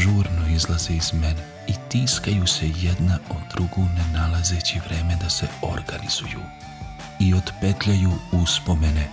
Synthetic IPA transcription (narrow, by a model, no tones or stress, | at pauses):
ʒuːɾnoizlˠazeizmen | it̪iːskajuse̞jed̪naod̪̥ɾuɡunenalˠaze̞ːt͡ɕiʋɾe̞ːmed̪ase̞o̞ɾɡaniz̥ujṵ | io̞d̪pe̞t̪ʎajuuspo̞me̞ne